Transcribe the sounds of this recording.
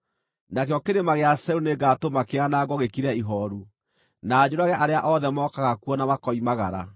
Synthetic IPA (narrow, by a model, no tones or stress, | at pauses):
nakjɔkeɾemaɣeasɛuneɡatomakeanaɡɔɣekiɾɛiɦɔɾu | naːd͡ʑoɾaɣɛʔaɾeaʔɔðɛmɔkaɣakwɔnamakɔimaɣaɾa̰